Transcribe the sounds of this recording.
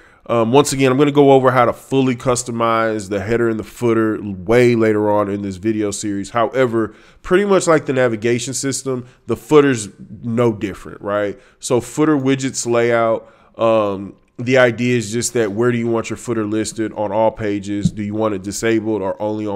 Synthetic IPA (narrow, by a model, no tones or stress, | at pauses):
ʔʌ̃mwʌ̃nsɨɡɛ̃nãɪ̃mɡʌnəɡoʊoʊvə˞ɦaʊɾəfʊlˠikʰʌstəmaɪzðɨɦɛɾə˞ɨ̃nðəfʊɾə˞weɪleɪɾə˞ə̃nɨ̃nðɪsvɪɾioʊsɪɹiz̥haʊʔɛvə˞ | pʰɹ̥ɪɾimʌt͡ʃlaɪk̚ðɨnævɨɡeɪʃɨ̃n̩sɪstə̃m | ðəfʊɾə˞znoʊdɪfɹɨ̰̃nʔɹaɪt̚ | soʊfʊɾə˞wɪd͡ʒɨtsleɪaʊt̚ | ʔʌ̃m | ðiaɪdiɨɨzd͡ʒʌst̪̚ðɨt̚wə˞ɾɨjɨwɑ̃nt͡ʃə˞fʊɾə˞lɪstɨɾ̃n̩ɔlˠpʰeɪd͡ʒɪzdɨjɨwɑ̃ñɨt̚d̥ɨseɪbl̩ˠdə˞ʔõʊ̃nli